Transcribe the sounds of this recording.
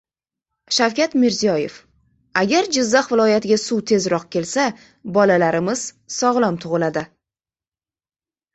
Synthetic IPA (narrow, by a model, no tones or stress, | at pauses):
ʃawkʲat̪mɪɾzijɒje̞̰f | aɡʲaɾd͡ʒɪzːaχvɪlˠɒjat̪ʰɪɡʲasuwt̪ʰe̞zɾɒq̚kʲe̞lsa | bɒlalaɾɪmɪz̥ | sɒʁlˠɒmt̪ʰʊʁɨlad̪ɪ